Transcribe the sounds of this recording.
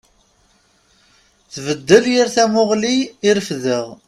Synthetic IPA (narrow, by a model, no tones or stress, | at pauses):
θvəd̪ːəljəɾθæmʊʁliːɾəfðəʁ